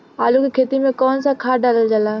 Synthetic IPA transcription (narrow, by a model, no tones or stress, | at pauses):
aːlukikʰeːt̪imẽkɔːnsakʰaːɖaːləld͡ʒalaː